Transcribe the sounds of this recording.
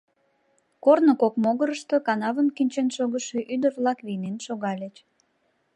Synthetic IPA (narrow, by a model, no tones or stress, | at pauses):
kornokokmoɣəɾəʃt̪okɑnɑβənkinʲt͡ɕenʃoɣəʃeʔyd̪ərβlɑkβinenʃoɣɑlʲet͡ɕ